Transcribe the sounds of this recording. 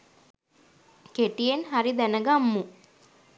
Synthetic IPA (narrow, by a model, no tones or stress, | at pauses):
keʈijenɦaɾid̪ænəɡamːu